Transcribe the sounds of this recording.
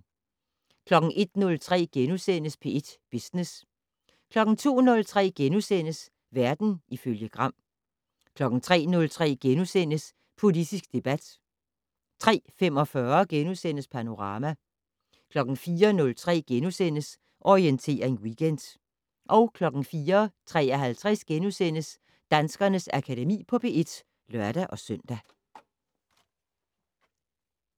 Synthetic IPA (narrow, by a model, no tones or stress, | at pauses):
kʰlɒ̽ɡ̥n̩ʔe̝d̥nɔ̽lt͡sʰʁɛ̰ːɡ̥enusen̰əspʰe̝e̝d̥b̥isnes | kʰlɒ̽ɡ̥n̩t͡sʰo̝̰ːnɔ̽lt͡sʰʁɛ̰ːɡ̥enusen̰əs | ʋæɐd̥n̩ʔiføljəɡ̥ʁɑ̈m̰ | kʰlɒ̽ɡ̥n̩t͡sʰʁɛ̰ːnɔ̽lt͡sʰʁɛ̰ːɡ̥enusen̰əs | pʰo̝lid̥isɡ̥̚d̥e̝b̥æd̥ | t͡sʰʁɛ̰ːfem̰ɒ̽fɶɐɡ̥enusen̰əspʰæno̝ʁɑ̈ːmæ | kʰlɒ̽ɡ̥n̩fiːɐnɔ̽lt͡sʰʁɛ̰ːɡ̥enusen̰əs | ʔɒient͡sʰe̝̰ːɐe̝nwiɡ̥end̥ | ʔɒ̽ʊkʰlɒ̽ɡ̥n̩fiːɐt͡sʰʁɛ̰ːɐɦælt͡sʰʁɛsɡ̥enusen̰əs | d̥ænsɡ̥ɐnəsækʰædemḭːpʰɒ̽b̥e̝e̝d̥ | lɶɐɾ̥æʔɒ̽sœn̰d̥æ